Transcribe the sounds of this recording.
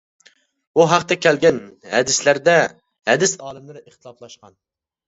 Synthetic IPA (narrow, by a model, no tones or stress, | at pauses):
uɦæqt̪ɛkʲʰɛlɡʲɛnhɛ̰d̪ɪslæɾd̪ɛ | hɛd̪ɪsɑːlˠɨmlɨɾəχt̪ʰɨlˠɑplˠɑʃqɑn